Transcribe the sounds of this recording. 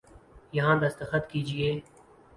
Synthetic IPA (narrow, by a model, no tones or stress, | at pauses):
jɐɦãːd̪ɐst̪ɐxət̪kiːd͡ʒieː